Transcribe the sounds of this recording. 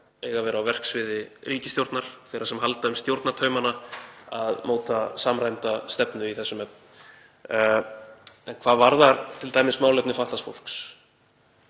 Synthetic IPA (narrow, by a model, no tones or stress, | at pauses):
eːjɣavɛːɾawvɛr̥ksvɪːðɪrʔiːcɪst̪jowɾt̪naɾ̥θejɾasɛmɦalt̪aʏmst̪jowɾt̪nat̪ʰœːɥmanaaðmoːwt̪asaːmr̥ajmt̪ast̪ɛpnʏiθɛsːʏmɛp̚n | ɛnkʰv̥aːvaɾðaɾt̪ʰɪlt̪aːjmɪsmaːwlɛp̪̚nɪfaht̪lastfo̰wl̥ks